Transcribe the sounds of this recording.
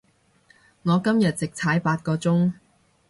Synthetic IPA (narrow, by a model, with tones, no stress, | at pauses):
ŋɔː˨˧kɐ˥mjɐ˨t̚t͡sɪ˨k̚t͡sʰaː˨˥jpaː˧t̚kɔː˧t͡sʊ˥ŋ